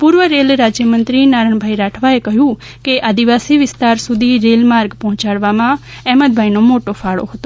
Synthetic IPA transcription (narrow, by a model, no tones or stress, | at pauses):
puːɾʋəɾeːlɾaːd͡ʒjəmə̃nt̪ɾinaːɾəɳbʱaːiɾaːʈʰʋaekɐɦjuː | keʔaːd̪ɪʋaːsiʋɪst̪aːɾsʊd̪ʱiɾeːlmaːɾɡpɔ̃ɦʊ̃t͡ʃaːɽʋamã | ɛːməd̪̚bʱaːinõmoːʈopʰaːɽo̰ɦot̪oː